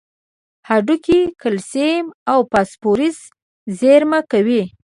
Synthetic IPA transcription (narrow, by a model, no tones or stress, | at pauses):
haɖukikəlsemawpaspoɾiz | zeɾmakawi